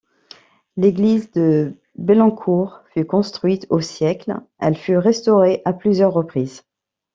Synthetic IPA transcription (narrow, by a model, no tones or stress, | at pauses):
leɡlizd̪ə | belɑ̃kʰuʁfykɔ̃st̪χɥit̪osjɛklɛ̰lfyʁɛst̪ɔʁeʔaplyzjœʁːəpχiːz